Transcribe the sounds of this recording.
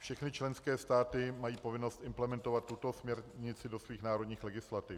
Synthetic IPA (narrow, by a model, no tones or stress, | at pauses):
fʃɛxnɪt͡ʃlɛnskɛːst̪aːt̪ɪmajiːpo̞vɪno̞st̪ʔɪmplɛmɛnt̪o̞vat̪ːut̪o̞smɲɛɾɲɪt͡sɪdo̞sviːxnaːɾo̞dɲiːxlɛɡɪslat̪ɪf